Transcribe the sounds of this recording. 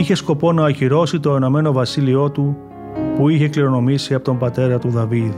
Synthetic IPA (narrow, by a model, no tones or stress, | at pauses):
içe̞sko̞po̞nɐoçiɾo̞sit̪o̞e̞no̞me̞no̞vɐsilio̞t̪u | puiçe̞kliɾo̞no̞misiɐpo̞t̪o̞mbɐt̪e̞ɾɐt̪uðɐvið